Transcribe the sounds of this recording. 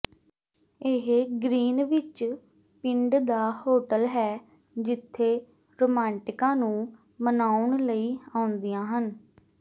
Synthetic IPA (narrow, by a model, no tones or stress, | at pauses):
eɦɡɾiːnʋɪt͡ʃ | pɪɳɖd̪aːhoːʈəlɦɛː | d͡ʒɪt̪ʰːeː | ɾoːmɛ̃ːɳʈɪkãːnũː | mənaːʊɳləiːãːʊnd̪iːjãːɦən